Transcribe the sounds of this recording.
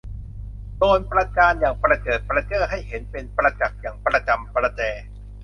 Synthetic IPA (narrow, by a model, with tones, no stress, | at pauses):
t̪oː˧npɾa˧kaː˧njaː˨˩ŋpɾa˧kɤː˨˩t̪̚pɾa˧t͡ɕɤː˥˩ɦa˥˩jɦe˩˦npe˧npɾa˧t͡ɕa˨˩k̚jaː˨˩ŋpɾa˧t͡ɕa˧mpɾa˧t͡ɕɛː˧